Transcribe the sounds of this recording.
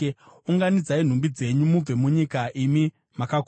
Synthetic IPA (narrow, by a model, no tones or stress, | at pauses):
uŋɡanid͡zain̤umbid͡ze̞ɲumub͡ve̞muɲikaʔimi | makak